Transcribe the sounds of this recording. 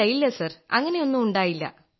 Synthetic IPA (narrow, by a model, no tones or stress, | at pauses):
ɐjilːɐsɐrɐ̰ŋːɐne̞o̞nːumuɳɖaːjilːɐ̰